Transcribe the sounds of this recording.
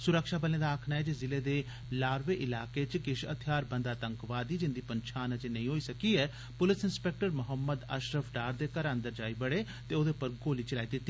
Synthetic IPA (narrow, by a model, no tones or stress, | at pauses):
sʊɾəkʃaːbəlẽːd̪aːkʰnaːɛːd͡ʒeːzɪleːd̪eː | laːɾʋeːʔɪlaːket͡ʃkɪʃət̪ʰɪjaːɾbənd̪aːt̪ə̃ŋkʋaːd̪iːd͡ʒɪnd̪iːpəɲʃʰaːnət͡ʃenəĩːɦoːiːsəkiːɛː | pʊlɪsɪnspɛːk̚ʈəɾmʊɦəmːəd̪əʃɾəfʰɖaːɾd̪eːkəɾə̃nd̪əɾd͡ʒaːiːbəɽeː | t̪eːoːd̪eːpəɾɡoːliːt͡ʃəlaːiːd̪ɪt̪ːiː